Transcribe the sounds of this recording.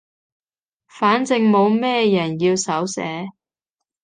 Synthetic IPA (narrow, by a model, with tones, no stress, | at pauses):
faː˨˥nt͡sɪ˧ŋmo˨˧wmɛː˥jɐ˨˩njiː˧wsɐ˨˥wsɛ̰ː˨˥